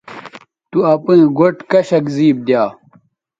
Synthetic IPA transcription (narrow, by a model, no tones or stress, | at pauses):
t̪uɐpĩɡoʈkɐɕɐkziːb̚d̪jaː